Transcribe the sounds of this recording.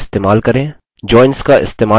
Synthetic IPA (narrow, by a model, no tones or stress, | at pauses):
st̪eːmaːlkɐɾẽː | d͡ʒɔːɪnskaɪ̰st̪eːmaː